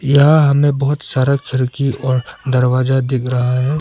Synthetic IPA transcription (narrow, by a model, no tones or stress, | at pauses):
jɐɦãɦɐmẽbɐɦʊt̪saːɾakʰɪɾkiʔɔːɾd̪ɐɾwaːzad̪ɪkʰɾɐɦaɦɛː